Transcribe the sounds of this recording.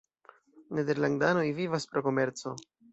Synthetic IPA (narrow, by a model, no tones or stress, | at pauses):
ne̞d̪e̞ɾlaŋdano̞jvivaspɾo̞ko̞me̞ɾt͡so̞